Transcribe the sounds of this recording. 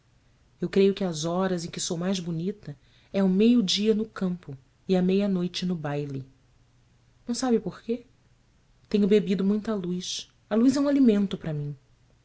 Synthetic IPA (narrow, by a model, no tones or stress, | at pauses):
ewkɾejʊkɪɐzɔɾɐzẽj̃kɪsowmajzbunit̪ɐ | ɛʊmejʊd͡ʒiɐnʊkɐ̃mpʊ | ɪɐmejɐnojt͡ʃɪnʊbajli | nɐ̃w̃sabɪpoχke | t̪ẽɲʊbebid̪ʊmũj̃t̪ɐlujs | ɐlujzɛũalimẽnt̪ʊpɾɐmĩ